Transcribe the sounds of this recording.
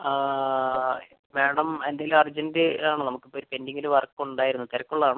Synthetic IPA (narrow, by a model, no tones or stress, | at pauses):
meːɽɐmend̪ajilumɐrd͡ʑɐndeaːɳɨnɐmukːipːoːɾupe̞ndiŋːiluʋɐrkːuuɳɖaːjiɾunːut̪ɐɾɐkːuɭːɐðaːɳɨ